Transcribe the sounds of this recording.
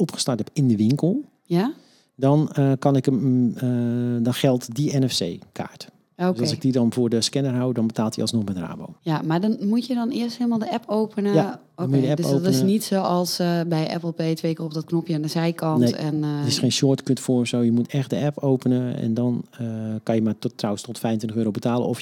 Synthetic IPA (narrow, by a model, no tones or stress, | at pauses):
ɔpχə̥startɛpɪndəʋɪŋkəlˠ | ja | dɔnkɑnɪkəmədɔnxɛlˠtdiɛnɛfsḛːkʰa̰ːɹt | oøsɔlsɪɡdidɔnvʊːrdəskɛnərɦawdɔnbətaːlˠtḭlˠsnɔxmɛtra̰ːbo̰ːjamadɔnmutjədɔnɪəstɦeːlˠmalˠdəʔɛpowpənəja | omujədəɛdo̰ːtɪnəsnitsowɔlˠsbɛjʔɛ̰pəl̩ˠpeːtʋeːkərɔpdɔt̚knɔpjəandəzɛjkɔnneɛnətɪsxeːnsʊərtkøtfʊrfsowjəmutɛxt̚dəɛpowpənəɛ̰ndɔnəkanjəmatːrawənstɔtfɛjəntʋɪntəxøːɾowbətaːlˠə̰nɔf